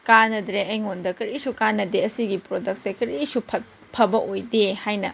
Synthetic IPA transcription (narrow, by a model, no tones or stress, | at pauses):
kanɐdɾeɐjŋondɐkɐɾisukanɐdeɐsiɡipɾodɐk̚sekɐɾisupʰ | pʰɐbɐʔojdehajnɐ